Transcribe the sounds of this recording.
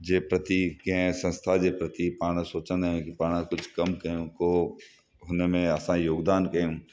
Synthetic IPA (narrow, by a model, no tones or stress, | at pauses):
d͡ʒeːpɾɐt̪ikeɦɛ̃sɐ̃nst̪ʰad͡ʒepɾɐt̪ipaːɽ̃ãsoːt͡ʃãnaɦẽkipaːɽ̃ãkʊt͡ʃʰkɐmkɐõko | ɦoːnemẽɐsãjoːɡd̪aːnkɐũ